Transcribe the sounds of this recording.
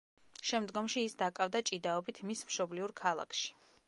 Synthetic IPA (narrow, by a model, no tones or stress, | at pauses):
ʃɛmd̪ɡɔmʃiːsd̪akʼavd̪at͡ʃʼid̪aɔbit̪ʰmismʃɔbliuɾkʰalˠa̰kʰʃi̥